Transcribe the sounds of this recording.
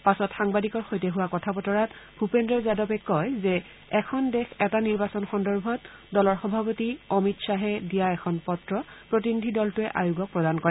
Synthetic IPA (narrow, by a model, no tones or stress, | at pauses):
pasɔtxaŋbadikɔɹxojtɛɦuwakɔtʰapɔtɔɹatbʱupendɹɔzadɔpɛkɔjzɛ | ɛkʰɔndɛxɛtaniɹbasɔnxɔndɔɹbʱɔtdɔlɔɹxɔbʱapotiomitsaɦɛdijaɛkʰɔnpɔtɹɔpɹotinidʱidɔltʊɛʔa̰jʊɡɔk̚pɹɔdankɔɹɛɛ